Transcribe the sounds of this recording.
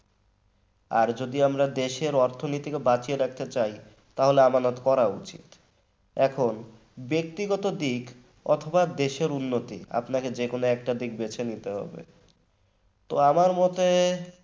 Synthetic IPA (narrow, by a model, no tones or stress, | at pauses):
a̰ɾd͡ʑod̪iamɾad̪eʃeɾɔɾt̪ʰonit̪ikebat͡ɕieɾak̚t̪et͡ɕaj | t̪aɦoleamanot̪kɔɾaut͡ɕḭt̪ | ɛkʰon | bek̚t̪iɡɔt̪od̪ik | ɔ̰t̪ʰobad̪eʃeɾunːot̪ḭa̰pnaked͡ʑekonoɛk̚ʈad̪ik̚bet͡ɕʰenit̪eɦɔ̰bḛ | t̪oamaɾmɔt̪e